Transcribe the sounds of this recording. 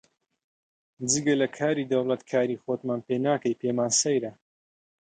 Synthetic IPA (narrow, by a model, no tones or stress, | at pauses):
d͡ʒiɡɐlɐkʰaːɾiːd̪ɐwlˠɐt̪kʰaːɾiːxot̪maːnpenaːkɐjpʰeːmaːnsɐjɾɐ